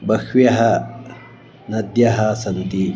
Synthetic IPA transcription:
bɐkwjɐɦɐ | nɐd̪jɐɦɐsɐnt̪i

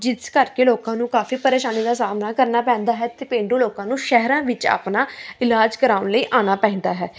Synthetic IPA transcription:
d͡ʒɪskəɾkeːloːkãːnũːkaːfiːpəɾeːʃaːniːd̪aːsaːmnaːkəɾnaːpɛ̃ːnd̪aːɦɛːt̪eːpẽːɳɖũːloːkãːnũːʃɛɦɾãːʋɪt͡ʃa̰ːpnaːɪlaːd͡ʒkəɾaːʊnləiːʔaːnaːpɛ̃ːnd̪aːɦɛː

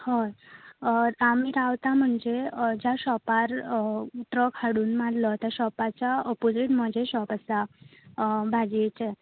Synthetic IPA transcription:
ho | amiɾaʋt̪am̤əɳd͡zed͡ʑjaɕɔpaɾ | ʈɾəkʰaɽuːnmadlət̪jaɕɔpat͡ɕaəpod͡ziʈm̤əd͡ʑeɕɔpəsa | bʱad͡ʑiet͡ɕe

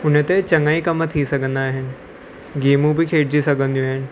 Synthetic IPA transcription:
ʊnət̪et͡ɕɐ̃ŋɡaːikɐmt̪ʰisɐɡʱə̃nd̪aːɦɪnɪ̆ | ɡeːmũbɪkʰeːɽd͡ʑisɐɡʱə̃nd̪iũaːɦɪnɪ̆

